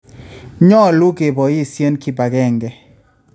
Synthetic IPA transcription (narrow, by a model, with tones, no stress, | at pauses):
ɲɔ˦lu˦ɡe˨bɔ˨ɪ˦˨sje˦nki˦ba˨ɡɛ˦˨ŋɡɛ˦